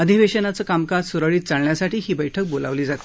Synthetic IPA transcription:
əd̪ʱiʋeɕənat͡səːkamkaɾsuɾəɭiːt̪̚t͡saɽɳjasaʈiːɦiːbəjʈʰək̚bola̰ʋliːd͡zat̪e̥

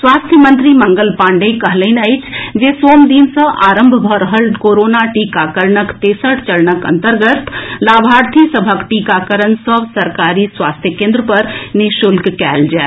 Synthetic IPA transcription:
sʋaːst̪ʰjəmənt̪ɾiməŋɡəlpãːɳɖəkəɦləɪnəjt͡ʃʰd͡ʒesoːmd̪insə̃ʔaːɾəmbʱbʱəɾəɦəlkoːɾoːnaʈikakəɾɳəkt̪eːsəʈt͡ʃəɾnəkə̰nt̪əɾɡət̪laːbʱaːɾt̪ʰisəbʱəkʈikakəɾənsəbsəɾkaːɾisʋaːst̪ʰjəkẽnd̪ɾəpəɾniʃʊlkkɛld͡ʒaː

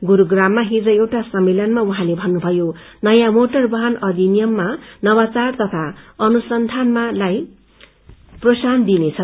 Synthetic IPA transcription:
ɡuɾuɡramːaɦid͡zʌewʈasʌmːelʌnmauɦãlebʱʌnːubʱʌjo | nʌjãmoʈʌrbʌɦʌnʌd̪ʱinijʌmːanʌbat͡sart̪ʌt̪ʰaʌnusʌnd̪ʱanmalaj | prosand̪inet͡sʰʌ

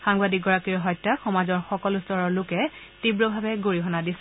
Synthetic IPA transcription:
xaŋbadik̚ɡɔɹakiɹɦɔjtːaxɔmazɔɹxɔkɔlustɔɹɔɹlʊkɛ | tibɹɔbʱabɛɡoɹiɦɔnadisɛ

